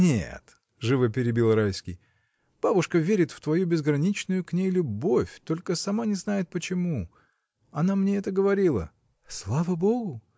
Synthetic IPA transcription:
nʲḛt̪ | ʐɨvɨpʲɪɾʲɪbʲilˠrajskʲɪj | b̥abʊʂkəvʲeɾʲɪt̪ft̪vɐjubʲɪzɡɾɐnʲit͡ɕnʊjʊknʲejlʲʊbo̞fʲt̪o̞lʲkəsɐmanʲɪznajɪt̪̚pət͡ɕɪmu | ɐnamnʲeɛt̪əɡəvɐɾʲilˠə̰ | slˠavəbo̞ɡʊ

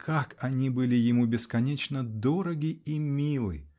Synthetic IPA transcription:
kʰakɐnʲibɨlʲɪjɪmubʲɪskɐnʲet͡ɕnəd̪oɾəɡʲɪimʲilˠɨ̰

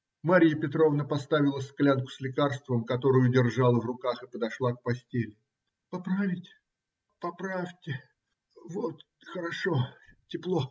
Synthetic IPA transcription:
maɾʲɪjəpʲɪt̪ɾo̞vnəpɐst̪avʲɪlˠəsklʲankʊ̥slʲɪkarst̪vəmkɐt̪o̞ɾʊjʊdʲɪrʐalˠəvrʊkaxɨpəd̪ɐʂlˠak̚pɐsʲtʲelʲɪ | pɐpɾavʲɪtʲ | pɐpɾaftʲɪ | vot̪ | xəɾɐʂo̞tʲɪplˠo̞

